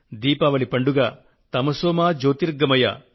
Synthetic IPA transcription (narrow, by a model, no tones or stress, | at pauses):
d̪iːpɐʋɐɭipɐɳɖuɡaː | t̪ɐmɐsoːmaːd͡ʒoːt̪iɾɡɐmɐja̰